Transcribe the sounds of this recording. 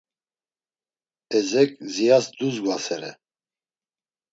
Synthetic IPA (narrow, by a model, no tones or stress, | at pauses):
ɛzɛkʼzijasd̪uzɡwasɛɾɛ̰